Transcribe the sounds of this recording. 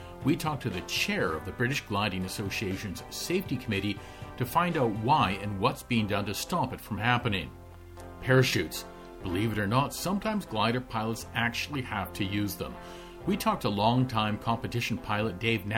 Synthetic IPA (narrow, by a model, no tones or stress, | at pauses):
witʰɔk̚tʰɨðɨt͡ʃʰɛɹʌ̰vðɨbɹɪɾɨʃɡ̥lãɪ̃ɾɪ̃ŋɨsoʊsieɪʃɨ̃nz̥seɪftikʰəmɪɾi | ɾɨfãɪ̃ndaʊt̚waɪɨ̃nwʌtsb̥iɪ̃ŋdʌ̃ntɨstɑpɨtfɹʌ̃mhæpɨnɪ̰̃ŋ | pʰɛɹɨʃʉts | b̥əlivɨɾə˞nətsʌ̃mtʰãɪ̃mzɡlaɪ̃ɾə˞pʰaɪlˠətsæk̚t͡ʃʉl̩ˠihæftʰɨjʉzðə̰̃m | witʰɔk̚təlɔ̃ŋtʰãɪ̃mkʰɑ̃mpɨtɪʃn̩pʰaɪlˠət̚d̥eɪvn